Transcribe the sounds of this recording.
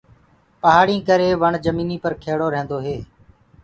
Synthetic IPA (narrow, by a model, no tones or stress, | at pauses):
pəɦaːɽĩːkəɾeːʋəɳd͡ʒəmiːniːpəɾkʰeːɽoːɾɛ̃ːnd̪oːɦeː